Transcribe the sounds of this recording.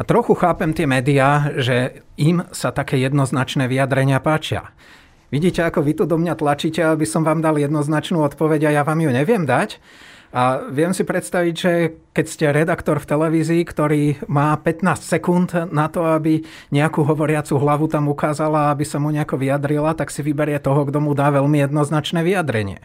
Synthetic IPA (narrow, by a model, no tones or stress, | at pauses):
at̪ɾɔxuxaːpɛmt̪ɪɛmɛːd̪iaːʒɛimsat̪akɛːjɛd̪nɔznat͡ʃnɛːʋiad̪ɾɛɲɪapaːt͡ʃɪa̰ | ʋiɟiːcɛakɔʋit̪ud̪ɔmɲat̪lat͡ʃiːcɛabisɔmʋaːmd̪aljɛd̪nɔznat͡ʃnuːɔt̪pɔʋɛɟajaʋaːmjuɲɛʋɪɛmd̪acaʋɪɛmsipɾɛt̪st̪aʋiɟʒɛkɛcscɛɾɛd̪akt̪ɔɾft̪ɛlɛʋiːziːkt̪ɔɾiːmaːpɛt̪naːscsɛkund̪nat̪ɔabi | ɲɛakuːɦɔʋɔɾɪat͡suɦlaʋut̪amukaːzalaabisamuɲɛakɔʋijad̪ɾilat̪aksiʋibɛɾɪɛt̪ɔɦɔɡd̪ɔmud̪aːʋɛʎmijɛd̪nɔznat͡ʃnɛːʋijad̪ɾɛɲɪɛ̰